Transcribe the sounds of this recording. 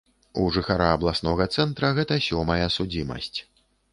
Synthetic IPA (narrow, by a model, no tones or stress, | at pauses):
uʐɨxaɾaɐblˠasnɔɣɐt̪sɛnt̪ɾɐɣɛt̪ɐsʲɔmɐjɐsud͡zʲimɐ̰sʲt͡sʲ